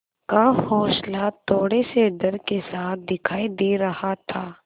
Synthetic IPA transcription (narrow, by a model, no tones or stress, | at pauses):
kahɔːʃlat̪ːoːɽeseɖɐɾkesaːt̪̚ʰd̪ɪkʰaːid̪eːɾɐhat̪ʰaː